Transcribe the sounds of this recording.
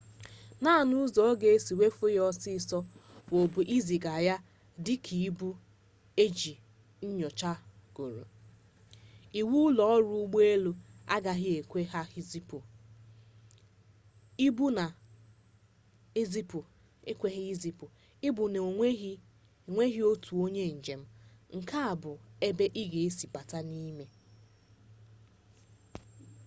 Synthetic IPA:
na˦˨nu˦zɔ˨˦ɡe˦e˦si˨we˦fʊ˦jɔ˦sɪ˦˨sɔ˦wo˨bu˨ʔi˦zi˨ɡa˨ja˦ | dɪ˦kʰi˨i˦bu˦ | e˦d͡ʒi˨ | n̩˦ɲɔ˨t͡ʃa˦ɡ̥o˨ɾo̰˨ | i˨wu˦lɔ˦ɔ˦ɾu˦ɡ͡be˦lo˦a̰˦ɡa˨ɦɪ˦e˨kʷe˦ɦa˦˨ | i˦bu˦na˨ | e˦zi˦pu˨ | e˦kʷe˦ɣɪ˦zi˨pʊ˨ | ɪ˦bu˨ne˨˦˨ | ŋʷe˦ɦi˦o˦tʰu˨o˦ɲe˦˨n̩˨d͡ʒe˨m̩˦ŋ̩˨ka˦a˨bʊ˨e˦be˦ʔi˦ɣe˨e˦si˨pa˨ta˦ni˦me˦

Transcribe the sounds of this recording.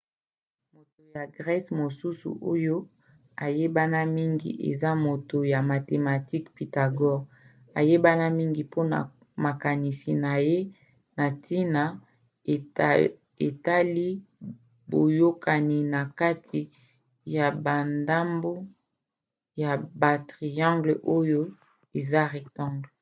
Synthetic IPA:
mo˨to˨ja˨ɡʁɛ˦smo˨su˦sṵ˨ʔo˦jo˦ | a˨je˦ba˦na˦mi˦ŋɡḭ˨ʔḛ˨za˦mo˨to˨ja˨ma˨te˨ma˨ti˦kpi˨ta˨ɡɔ˦ɡ | a̰˨je˦ba˦na˦mi˦ŋɡi˨po˦na̰˨ | ma˨ka˨ni˨si˨na˨je˦ | na˨ti˦na˨ | e˨ta˦li˦ | bo˨jo˦ka˨ni˨na˨ka˦tʰi˨ | ja˨ba˨nda˦mbo˦ | ja˨ba˨tʁi˨jã˦ŋɡlʔo˦jo˦ | e˨za˦ʁɛ˨ktã˦ŋɡl

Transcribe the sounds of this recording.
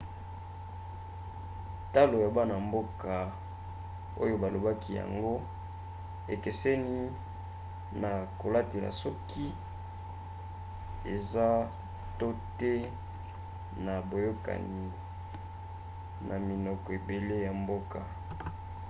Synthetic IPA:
ta˦lo˨ja˨ba˦na˨mbo˦kʰa˨ | o˦jo˦ba˨lo˨ba˦ki˦ja̰˨ŋɡo˦ | e˨ke˨sɛ˦ni˦ | na˨ko˨la˦te˨la̰˨sɔ˦ki˦ | e˨za˦ | to˦tɛ˦ | na˨bo˨jo˦ka̰˨ni˨ | nʔa˨mi˨nɔ˨kɔ˨e˨be˨le˦ja˨mbo˦ka˨

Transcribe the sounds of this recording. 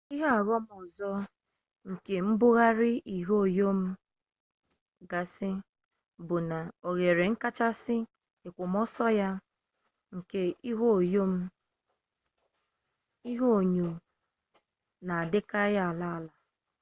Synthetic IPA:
i˦ɦa˦a˨ɣɔ˦mɔ˨zɔ˦ | ŋ̩˨ke˨m̩˦bʊ˦ɣa˦ɾɪ˦i˨ɦo˦˨jo˦m̩˦ | ɡa˨sɪ˦ | bʊ˨na˨o˨ɣe˨ɾe˨ŋ̩˦ka˦t͡ʃa˦sɪ˦ | ɪ˨kʷʊ˨mɔ˦sɔ˦ja˦ | ŋ̩˨ke˦i˦ɦo˦˨jo˦m̩˦ | i˦ɦo˦˨ɲu˨ | na˨a˨dɪ˦ka˦ja˦a˨la˦a˨la˨

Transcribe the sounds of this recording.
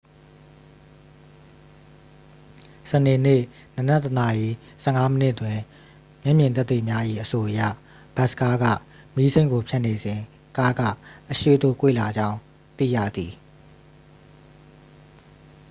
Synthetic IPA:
sə˨ne˨nɪ̰˦˨ | nə˨nɛ˦təna˨ʔi˨ | sɛ˦˨ŋa˦mənɪ˦ʔtwɪ̃˨ | mjɛ˦˨mjɪ̃˨nt̪ɛ˦t̪ːḭ˦˨mja˦ʔḭ˦˨ʔəso˨ʔəjä̰˦˨ | b̥a˦˨ska˦ɡä̰˦˨ | mi˦sẽ˦ɪ̃ŋɡo˨pʰja˦˨ne˨zɪ̃˨ | ka˦ɡa̰˦˨ʔəʃḛ˦˨d̪o̰˦˨kwḛ˦˨la˨d͡ʑã˦ʊ̃ | t̪ḭ˦˨jä̰˦˨d̪i˨

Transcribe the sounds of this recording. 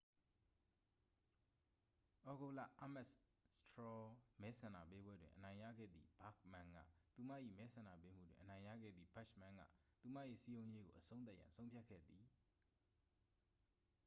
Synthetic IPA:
ʔɔ˦ɡo˦˨lä̰˦˨ʔa˦˨mɛ˦stʰɹɔ˦mɛ˦sʰã˨na̰˦˨pe˦bwɛ˦dwɪ̃˨ʔənã˨ɪ̃ja̰˦˨ɡɛ̰˦˨d̪ðḭ˦˨ba˦˨k̚mã˨ŋɡä̰˦˨t̪u˨mä̰˦˨ʔḭ˦˨mɛ˦sʰã˨na̰˦˨pe˦m̥ṵ˦˨dwɪ̃˨ʔənã˨ɪ̃jä̰˦˨ɡɛ̰˦˨d̪ðḭ˦˨ba˦ʃmã˨ŋɡä̰˦˨t̪u˨ma̰˦˨ʔḭ˦˨si˦jõ˦ʊ̃je˦ɡo˨ʔəsʰõ˦ʊ̃t̪̬a˦ʔjã̰˨nsʰõ˦ʊ̃pʰja˦˨kʰɛ̰˦˨d̪ði˨

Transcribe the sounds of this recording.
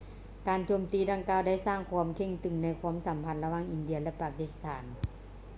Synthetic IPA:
kaː˨˩nt̪ʰu˧əmt̪iː˧˥da˧˩ŋkaː˧˩wda˥˩jsaː˥˩ŋkʰu˧əmkʰe˧˩ŋt̪ɯ˨˩ŋna˧˩jkʰu˧˥əmsa˨˦mpʰa˧˨nla˧waː˧˥˩ŋʔi˨˩ndi˧ɐlɛ˧˥paː˧˩ki˧˥st̪ʰaː˩˦n

